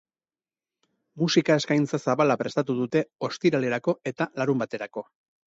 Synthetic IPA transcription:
musikae̞skajnt͡sasaβalapɾe̞st̪at̪uðut̪e̞o̞st̪iɾale̞ɾako̞e̞t̪alaɾumbat̪e̞ɾako̞

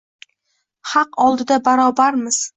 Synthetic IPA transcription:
haqɒlˠd̪ɪd̪abaɾɒbaɾmɪz̥

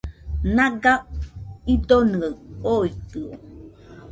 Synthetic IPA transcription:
naɡaid̪onɯaoit̪ɯo

